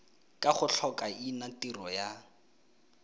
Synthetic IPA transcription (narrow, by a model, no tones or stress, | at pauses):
kʼaχʊɬʰɔkʼainatirɔja